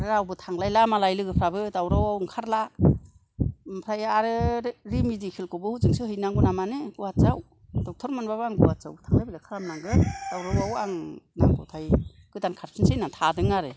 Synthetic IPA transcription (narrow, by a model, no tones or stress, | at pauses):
ɾɯɾawbɯtʰaŋlajlamalajlɯɡɯpʰɾabɯdawɾawawŋkʰaɾla | mpʰɾajaɾɯɾimizikʰilkʰɔbɯhuzɯŋsɯhɯjnaŋɡɔnamanɯɡuwat̚zaw | d̥ɔw̚tʰɔɾmɯnbabaŋɡuwat̚za̰wtʰaŋlajbilakʰaɾamnaŋɡɯd̥awɾawawaŋnaŋkʰɔ̰wtʰaj | ɡ̥ɯdankʰaɾpʰinsejnaŋtʰadɯŋaɾɯ